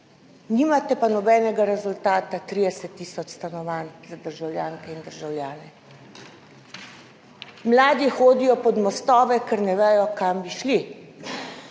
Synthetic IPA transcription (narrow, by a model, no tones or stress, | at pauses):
niːmat̪ɛpanɔbɛːnɛɡaɾɛzult̪aːt̪at̪ɾiːd̪ɛsɛt̪ːiːsɔt͡ʃst̪anɔʋaːnzad̪əɾʒawljaːŋkɛind̪əɾʒawljaːnɛ | mlaːd̪ixoːd̪ijɔpɔd̪mɔst̪ɔːʋɛkɛɾnɛʋɛːjɔkambiʃli